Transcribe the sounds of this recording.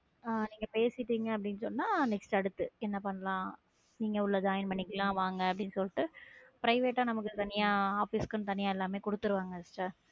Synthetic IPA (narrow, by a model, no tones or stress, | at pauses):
aːniːŋɡɐpeːsɪʈːiːŋɡɐɐp̬ːɐɽɪnːɯsɔnːaːnɛksʈɐɽɯt̪ːɯɛnːɐpɐnːɐlãː | niːŋɡɐʊɭːɐd͡ʒaːjɪnmɐɳːɪkːɐlãːʋaːŋɡɐɐp̬ːɐɽɪnːɯsɔlːʈːɯpɪɾɐɪʋeːʈːaːnɐmɐkːɯt̪ɐnɪjaːaːfiskːɐnt̪ɐnɪjaːɛlːaːmeːkɔɽɯt̪ːɯɾɯʋaːŋɡɐsʈɐ